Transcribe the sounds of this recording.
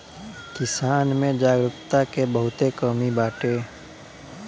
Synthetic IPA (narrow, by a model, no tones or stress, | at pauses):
kɪsaːnmẽd͡ʒaːɡɾʊt̪akebəɦʊt̪ekɔːmibaːʈe